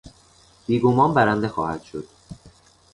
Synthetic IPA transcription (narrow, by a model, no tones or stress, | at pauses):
b̥iːɡomɒːmbæɾænd̪e̞xɒ̰ːhæd̪̥ʃo̞d̪̥